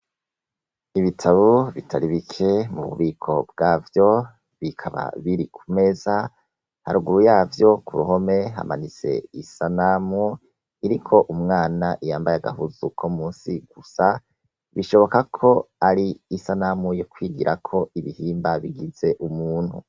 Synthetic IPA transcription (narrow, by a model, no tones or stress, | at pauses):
iβitʰaβoβitʰaɾiβikʰe̞mṵβṵβiːkʰo̞b̚ɡaːvjo̞ | βikʰaβa̰βiɾikʰume̞za | ha̰ɾuɡuɾujaːvjo̞kʰuɾuho̞me̞ɦa̰ma̰nize̞̰isanamu | iɾikʰo̞ʔumŋaːnaʔijaːmbajaɡa̰ɦuzukʰomuːnsiɡ̥usa | βiʃo̞βo̞kakʰo̞aɾiːsanaːmujokwiːɡiɾʔakʰo̞iβihiːmbaβiɡiz̥e̞ʔumuːn̥hṵ